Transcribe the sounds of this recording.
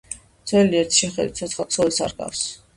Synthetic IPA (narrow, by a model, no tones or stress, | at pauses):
t̪sʰɛliɛɾt̪ʰi̥ʃɛχɛd̪wit̪sʰɔt̪sʰχat̪sʰɔlisa̰ɾɡa̰fs